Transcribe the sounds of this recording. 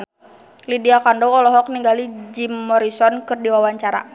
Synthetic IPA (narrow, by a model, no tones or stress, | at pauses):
lidiakandɔwɔlɔɦɔk̚niŋɡalid͡ʒimːɔɾisɔnkɨrdiwawaɲt͡ʃaɾa̰